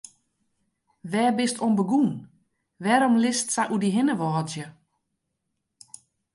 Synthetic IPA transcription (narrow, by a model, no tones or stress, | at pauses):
ʋɛːbɪstonbəɡun | ʋɛɾɔmlɪstsaʔudiɦɪnəʋɔːzjə